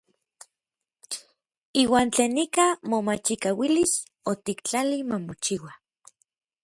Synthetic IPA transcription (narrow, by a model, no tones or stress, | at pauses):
iːwaːnt͡ɬeːnːikamomat͡ʃikawilis | ot̪ikt͡ɬalimamot͡ʃiwa